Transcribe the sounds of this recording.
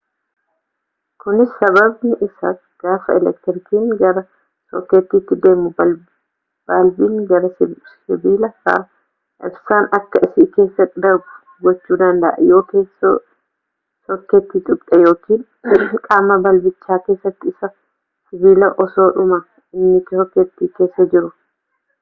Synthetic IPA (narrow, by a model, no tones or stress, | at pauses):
kʊnɪsːɐβɐbnɪʔɪsɐt | ɡ̥aːfɐɛlɛk̚t̪ɪɾkiːŋɡɐɾɐ | sɔkːeːt̪ːiːt̪ːɪd̪e̞ːmːʊ | b̥aːlbiːŋɡɐɾɐs | ɪbiːlɐfa̰ | ʔɪbsaːnɐkːɐʔɪsike̞ːsːɐt̪ːɪd̪ɐɾbʊ̥ | ɡɔt͡ʃːuːd̪ɐnd̪ɐʔɛ̰jo̞ːke̞ːso | sɔkːet̪ːiːt̪ʼʊkt̪ʼɛjo̞ːkiːn | kʼaːmɐbɐlbɪt͡ʃːaːke̞ːsːɐt̪ːɪɪsɐ | sɪbiːlɐʔɔso̞ːᶑʊmɐ | ɪnːɪt̪ɔkːet̪ːiːke̞ːsːɐd͡ʒɪɾʊ